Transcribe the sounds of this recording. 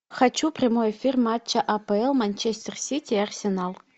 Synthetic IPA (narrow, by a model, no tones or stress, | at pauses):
xat͡ɕːuprʲɪmojefʲirmat͡ɕːəʔapeɛlˠmanʲt͡ɕesʲt̪ʲersʲitʲiɐrsʲenalˠ